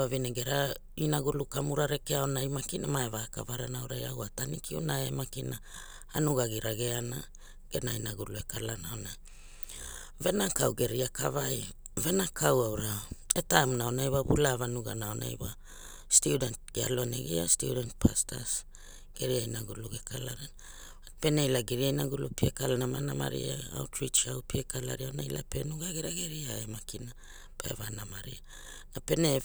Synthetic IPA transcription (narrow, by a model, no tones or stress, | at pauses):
avineɡeɾa | inaɡulukamuɾaɾekeaonajmakinamaevaka̰vaɾanawɾajawatanikʰiunaḛmakina | anuɡaɡiɾaɡe̞ana̰ | ɡ̥enainaɡulue̞kalanaona | ve̞nakawɡe̞ɾiaka̰vaj | ve̞nakʰawawɾaetajmnaonajβaβṵlavanuɡa̰naona̰jwa | student̚ɡ̥ea̰loanḛɡḭastudent̚pʰastʰa̰s | ɡ̥e̞ɾiajnaɡuluɡekʰalaɾan | pe̞neilaɡeɾiajnaɡulupiekalanamanama̰ɾḭaa̰wtɾit͡ʃawpiekala̰ɾiaonaila̰pe̞nuɡaɡeɾaɡe̞ɾiaemakina | pḛvanamaɾḭa | nape̞ne